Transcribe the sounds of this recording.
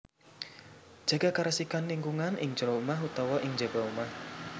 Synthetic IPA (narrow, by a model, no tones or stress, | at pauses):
d͡ʒ̥a̤ɡ̥akaɾasikanliŋɡuŋanɪ̰ŋd͡ʒəɾɔumaɦut̪ɔwɔʔɪŋd͡ʒe̤baumah